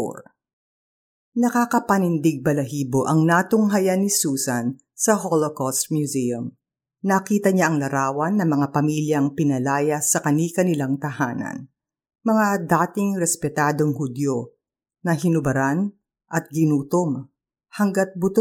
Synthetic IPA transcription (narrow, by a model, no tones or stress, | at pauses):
ɾ | nɐkakɐpɐnɪnd̪ɪɡ̚bɐlɐɦiːbo̞ʔɐŋnaːt̪ʊŋɦɐjanɪsuːsɐn | sɐɦolokost̪̚mjuziɐm | nɐkiːt̪ɐɲaʔɐŋlɐɾaːwɐnːɐmɐŋapɐmiljɐŋpɪnɐlaːjɐsɐkɐnikɐnɪlaŋt̪ɐhaːnɐ̰n | mɐŋad̪aːt̪ɪŋɾɛspɛt̪aːd̪o̞ŋhʊd̪jo | nɐhɪnʊbɐɾan | ʔɐt̪̚ɡɪnuːt̪om | hɐŋɡɐt̪̚bʊt̪o